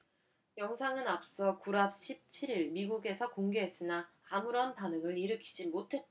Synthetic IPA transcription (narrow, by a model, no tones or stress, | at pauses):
jʌŋsʰaŋɯnap̚s͈ʌkuɾap̚ɕʰip̚t͡ɕʰiɾiɭmiɡuɡe̞sʰʌkoŋɡe̞ɦe̞s͈ɯnaːmuɾʌnpanɯŋɯɭiɾɯkʰi̥d͡ʑimotʰe̞t̚t͈